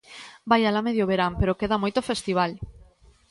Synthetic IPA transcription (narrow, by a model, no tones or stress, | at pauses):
bajalameðjoβeɾampeɾokeðamojt̪ofest̪iβ̞al